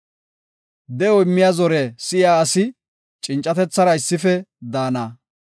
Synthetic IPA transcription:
d̪ɛɔɪmːɪjazɔɾɛsɪjaːsɪ | t͡ʃʼɪnt͡ʃʼːɐt̪ɛt͡sːɐɾɐɪsːɪfɛd̪aːnaː

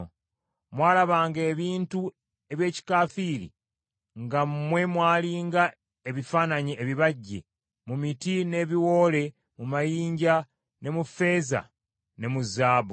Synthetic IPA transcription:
mwaːlaβaːŋɡe̞ːβiːntu | e̞βje̞ːci̥kaːfiːɾḭ | ŋɡamwe̞mwaːliːŋɡa | e̞βifaːnaɲieβiβaɟːḛ | mumitine̞βiwo̞ːle̞ | mumajiːɲɟa | ne̞mufe̞za̰ | ne̞muzaːβu

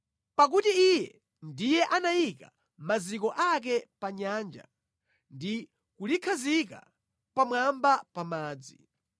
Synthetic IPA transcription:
pak̬utiijɛ | ndijɛʔanajika̰ | mazikɔʔak̬ɛpaɲaːnd͡ʒa̰ | ndi | kulikʰazika̰ | pamwambapamaːd͡zi

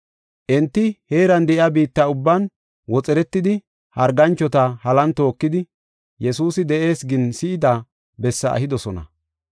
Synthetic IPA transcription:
ʔɛnt̪ːɪhe̞ːɾɐnd̪ɛʔɪabiːt̪ːɐʊbːɐn | wɔt͡sʼɛɾɛt̪ːɪd̪ɪ | hɐɾɡɐnt͡ʃːɔt̪ɐhɐlɐnt̪o̞ːkːɪd̪ɪ | jɛsuːsɪd̪ɛʔe̞ːsɡɪnsɪːd̪ɐ | bɛsːɐɐ̰hɪd̪ɔsɔnɐ̰

